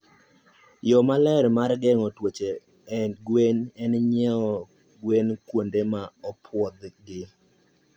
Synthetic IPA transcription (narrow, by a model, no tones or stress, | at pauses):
jɔmalɛɾmarɡɛŋɔtwot͡ʃe | ɛɡwenɛnɲɛɔ | ɡwenkwondemaɔpʰwɔd̪ɡɪ